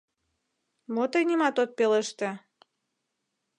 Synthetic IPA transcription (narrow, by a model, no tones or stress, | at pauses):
mot̪əjnimɑt̪ot̪̚peləʃt̪ĕ